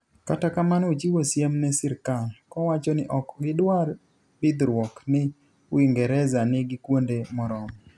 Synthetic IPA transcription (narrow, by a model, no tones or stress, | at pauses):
katakamanot͡ʃiwosjemnɛsɪɾkalkɔwat͡ʃɔnɪʔɔkɡɪdwar | bɪd̪ɾwɔknɪ | wiŋɡɛɾɛzanɪɡɪkwondemɔɾɔmɔ